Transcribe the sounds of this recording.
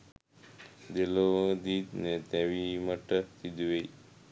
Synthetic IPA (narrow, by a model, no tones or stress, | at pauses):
d̪elod̪id̪net̪eʋiməʈəsid̪ʋej